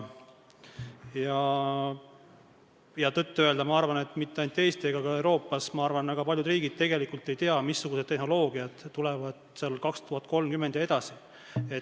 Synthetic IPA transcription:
jɑ | jɑt̪ɤt̪ːøe̞ld̪ɑmɑɑrvɑne̞t̪ːˑmit̪ˑːeɑjnt̪ːˑe̞ːst̪ieɡ̥ɑkɑewɾo̞ːpːˑɑsmɑɑrvɑnvæɡ̥ɑpɑlʲjud̪riːɡid̪̥̚t̪e̞ɡ̥e̞likult̪ːe̞jt̪e̞ɑmisːuɡ̥used̪ːehno̞lo̞ːɡiɑd̪̥ːulevɑd̪̥selkɑkst̪uɦɑt̪̚ˑko̞lmkymːend̪̥jɑed̪̥ɑsi | e

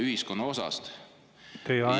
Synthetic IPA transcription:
yhisko̞nːɑo̞sɑ̰st̪ | t̪ejɑ

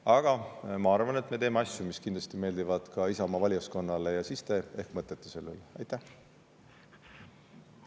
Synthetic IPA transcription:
ɑɡ̥ɑmɑɑrvɑne̞t̪me̞e̞ːmeɑsʲjumiskind̪lɑ̥st̪ime̞ːlʲd̪ivɑd̪̥kɑisɑmɑvɑlʲjɑsko̞nːɑlejɑsist̪e̞e̞hkmɤt̪ːˑet̪ːˑise̞lːḛleɑ̰jt̪ːˑæh

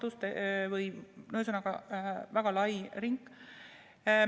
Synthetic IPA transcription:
t̪ust̪evɯjnows̬unɑɡ̥ɑvæɡ̥ɑlɑjriŋkːˑ

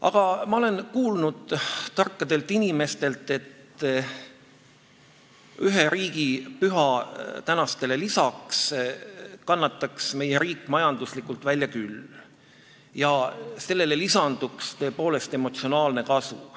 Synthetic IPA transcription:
ʔɑ̰ɡ̥ɑmɑo̞le̞nkuːlnud̪̥t̪ɑrkːɑd̪e̞lt̪ːˑinime̞st̪e̞lt̪ːˑe̞t̪ | yɦeɾiːɡipyɦɑt̪ænɑst̪e̞le̞lisɑks | kɑnːɑt̪ːˑɑksme̞jeɾiːkːˑmɑjɑnd̪̥uslikːult̪vælʲjɑkyl | jɑse̞lːe̞le̞lisɑnd̪ukst̪ø̞ːpo̞ːle̞st̪e̞mo̞t̪sio̞nɑːlne̞kɑsṵ

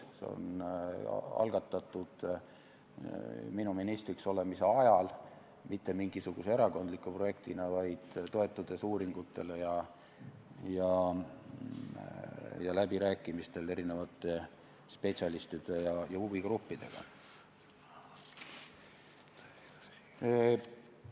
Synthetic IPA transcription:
sḛo̰n | ɑ̰lɡ̥ɑt̪ˑːɑt̪ːˑud̪̥ | minuminist̪rikso̞le̞mise̞ɑjɑl | mit̪ːe̞miŋɡ̥isuɡ̥use̞eɾɑko̞nd̪likːˑupro̞je̞kt̪inɑvɑjd̪̥t̪ːo̞e̞t̪ːˑud̪̥e̞suːɾiŋɡ̥ut̪ːˑe̞lejɑ | jɑ | jɑlæbiɾæːkːˑimist̪e̞le̞ɾine̞vɑt̪ˑːe̞ | spe̞t̪sʲɑlist̪id̪̥e̞jɑjɑuviɡ̥rupːid̪̥e̞̰ɡ̥ɑ̰

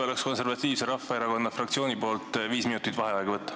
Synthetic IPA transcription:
o̞leksko̞nse̞rvɑt̪ːˑiːvse̞ɾɑfːɑeɾɑko̞nːɑfrɑkt̪sio̞ːnʲipo̞ːlt̪ˑviːsminut̪ˑit̪ːvɑɦeɑeɡ̥ɑvɤt̪ːˑɑ̥

